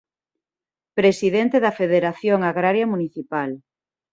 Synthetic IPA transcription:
pɾesiðent̪eðɐfeðeɾaθjoŋaɣɾaɾjɐmuniθipal

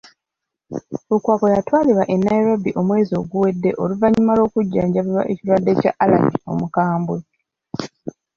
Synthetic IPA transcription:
ukwaːko̞jatwaːliβaʔenːajiɾabiʔo̞mwe̞ːzio̞ɡuwe̞dːe̞ʔo̞luvaɲimalo̞ːkuɟːaːɲɟaβiβwa̰ʔeciɾwadːe̞ca̰ʔala̰ɲio̞̰mukaːmbwe

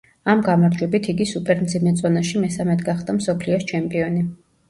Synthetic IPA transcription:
amɡamaɾd͡ʒwɛbit̪ʰiɡisupʼɛɾmd̪zimɛt̪sʼɔnaʃimɛsamɛt̪ʰɡaχd̪amsɔpʰliɔst͡ʃʰɛmpʼiɔni

